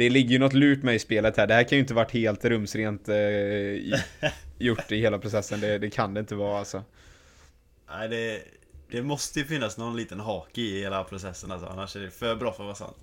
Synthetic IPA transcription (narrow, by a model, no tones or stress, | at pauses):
d̪̥ɛlɪɡːəjɵnɔt̪lʉ̟ːʈmɛɪspeːlət̪hæːɖɛhæːɾkʰanjʏɪnt̪əvaʈːheːlt̪ɾɵmsɾeːnt̪ | jʊʈːɪheːlapʰɾʊsɛsːənd̪ɛd̪ɛkʰand̪ɛɪnt̪əvɑːalsɔ | næ̰ɪd̪ɛ | d̪̥ɛmɔst̪əjɵfɪnːasnɔnliːt̪ənɦɑːkɪɪheːlapʰɾʊsɛsːənalsɔ̰a̰nːaʂɛɾɛfœɾbɾɑːfœɾvasa̰nt̪